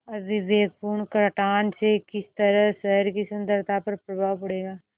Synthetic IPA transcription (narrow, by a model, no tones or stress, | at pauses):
ɐbiʋeːɡ̚puːɾɳkɾəʈaːnsekɪst̪əɾəsɛɦɾkisə̃nd̪əɾt̪ʰapəɾpɾɐbʱaːʋpəɽeːɡaː